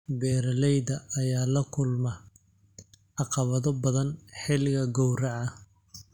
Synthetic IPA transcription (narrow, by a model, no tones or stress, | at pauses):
bɛːɾɐlɛjðɐʔːjaːlɐkʰʊlmɐ | ʕɑqɑβɐðɔbɐðɐnħɪlɣɐɡɔwrɐʕɐ